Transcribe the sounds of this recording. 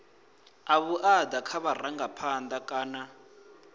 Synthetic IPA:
aβuʔadakʰaβaraŋɡapʰand̪akʼaːna

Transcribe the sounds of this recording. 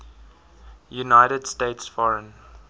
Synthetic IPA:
junaɪɾədsteɪtsfɔɹə̃n

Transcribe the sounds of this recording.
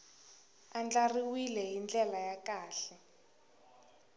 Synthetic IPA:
and͡ɮariwilɛɦind͡ɮɛlajakaːɬɛ

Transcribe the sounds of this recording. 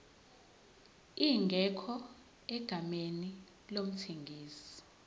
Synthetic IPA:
iːŋʱɛkʰɔ | ɛɡ̥ʱameni | lom̩tʰeŋɡʱiːsi̥

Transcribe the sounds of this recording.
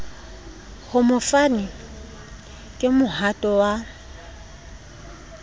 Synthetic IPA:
hʊmʊfanɪ | kʼɪmʊhatʼɔwa

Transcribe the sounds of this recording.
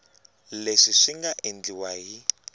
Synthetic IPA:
leʂiʂiŋɡaʔend͡ɮiwaɦi

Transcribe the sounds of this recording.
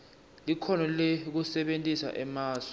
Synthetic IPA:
likʰɔnɔlek̬usɛɓentʼisa̰ʔɛmaːsɔ̥

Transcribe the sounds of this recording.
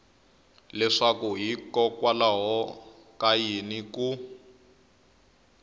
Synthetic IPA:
lɛʂakuɦikɔkwalaɦɔ | kajiniku

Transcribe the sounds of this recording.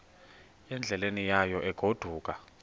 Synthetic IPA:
ɛnd͡ɮʱɛlenijajɔʔɛɡ̥ʱod̥ʱuːk̬ʼa

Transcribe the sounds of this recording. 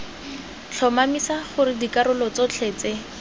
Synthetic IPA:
t͡ɬʰɔmamisaχʊrɪdikaɾʊlɔt͡sɔt͡ɬʰeːt͡se

